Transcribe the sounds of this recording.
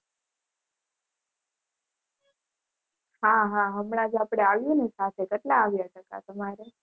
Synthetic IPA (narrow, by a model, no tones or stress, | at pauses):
ɦãɦãɦəmɽad͡ʒapɽeaʋjunesat̪ʰekəʈlaːʋjatʰəka̰t̪əmaɾe